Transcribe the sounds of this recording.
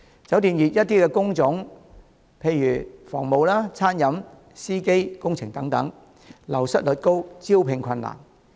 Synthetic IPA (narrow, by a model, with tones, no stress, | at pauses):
t͡sɐ˨˥wt̪iː˨˧njiː˨t̚jɐ˥t̚t̪iː˥kɛː˧kʊ˥ŋt͡sʊ˨˥ŋ | pʰe˧jːyː˨˩fɔ̰ː˨˩ŋmo˨˧wlaː˥t͡sʰaː˥njɐ˨˥m | siː˥ke˥jkʊ˥ŋt͡sʰɪ˨˩ŋt̪ɐ˨˥ŋt̪ɐ̰˨˥ŋ | lɐ˨˩wsɐ˥t̚lɵ˨˧t̚ko˥wt͡siː˥wpʰɪ˧ŋkʰɐ˧nːa̰ː˨˩n